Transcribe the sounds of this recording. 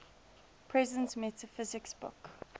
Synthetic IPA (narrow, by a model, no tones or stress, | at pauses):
pʰɹɛzə̃ntmɛtəfɪzɪksbʊ̰k